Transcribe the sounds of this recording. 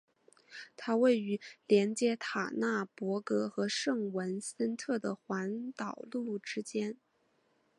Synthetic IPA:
t̪ʰa˥we˥˩ɪy˧˥ljɛ˧˥nt͡ɕjɛ˧˥t̪ʰa˨˩na˥˩pwɔ˧˥kɤ˧˥xɤ˧˥ʂɤ˥˩ŋwə˧˥nsə˥nt̪ʰɤ˥˩d̪ə˩xwa˧˥nt̪ɑ˨˩ʊlu˥˧lu˥˩ʈ͡ʂɻ̩˥t͡ɕjɛ˥n

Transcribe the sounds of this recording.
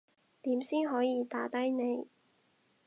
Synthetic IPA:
t̪iː˨˥msiː˥nɦɔː˨˥jiː˨˧t̪aː˨˥t̪ɐ˥jne˨˧j

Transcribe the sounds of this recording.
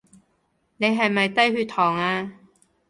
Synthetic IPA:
ne˨˧jɦɐ˨˩jmɐ˨jt̪ɐ˥jhyː˧t̪ʰɔː˨˩ŋaː˧

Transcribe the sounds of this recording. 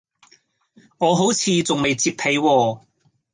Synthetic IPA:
ŋɔː˨˧ɦo˨˥wt͡sʰiː˨˧t͡sʊ˨ŋme˨jt͡siː˧pʰe˨˧jwɔː˧

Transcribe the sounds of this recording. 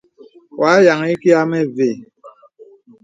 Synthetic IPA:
wa˨˦ja˨ŋ˦i˦ki˦a˦mɛ˦ve˨

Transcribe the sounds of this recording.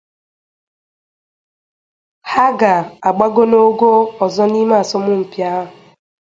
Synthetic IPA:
ha˦ɡa˨a˨ɡ͡ba˦ɡo˦no˦ɡo˦ɔ˨zɔ˦ni˦ma˦˨a˨sɔ˦mʊ˦m̩˨pja˦ɦ

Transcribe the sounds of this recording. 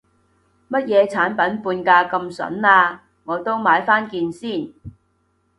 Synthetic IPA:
mɐ˥t̚jɛː˨˧t͡sʰaː˨˥npɐ˨˥npuː˧nkaː˧kɐ˧msɐ̰˨˥naː˧ | ŋɔː˨˧t̪o˥wmaː˨˧jfaː˥nkiː˧nsiː˥˩n

